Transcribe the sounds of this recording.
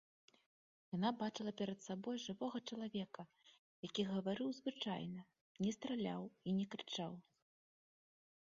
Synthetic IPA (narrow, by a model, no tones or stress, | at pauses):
janabat͡ʂɨlˠɐpʲɛɾɐt̪sabɔjʐɨvɔɣɐt͡ʂɐlˠavʲɛkɐ | jakʲiɣɐvaɾɨwzvɨt͡ʂa̰jnɐ | nʲɛst̪ɾalʲa̰winʲɛkɾɨt͡ʂaw